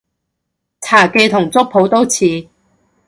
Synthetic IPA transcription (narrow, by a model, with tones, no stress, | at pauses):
t͡sʰaː˨˩ke˧jt̪ʰʊ˨˩ŋt͡sʊ˥k̚pʰo˨˥wt̪o˥wt͡sʰiː˨˧